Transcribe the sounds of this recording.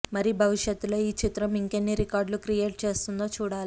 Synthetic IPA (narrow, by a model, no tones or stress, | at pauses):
mɐɾibʱɐʋiʂjɐt̪ːulo̞ːiːt͡ʃit̪ɾɐmiŋkenːiɾikaːɾɖlukɾije̞ːʈ̚t͡ʃe̞ːst̪und̪o̞ːt͡ʃuːɽaːli